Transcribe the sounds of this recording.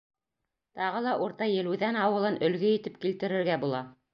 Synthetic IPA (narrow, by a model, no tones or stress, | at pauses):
t̪ɑʁɤlˠɑʔuɾt̪ɑjɘ̆lɘðænɑwɤ̆lˠɤnʔɵ̆lɡɵjɘ̆t̪ɘpkilt̪ɘ̆ɾɘ̆ɾɡæbulˠɑ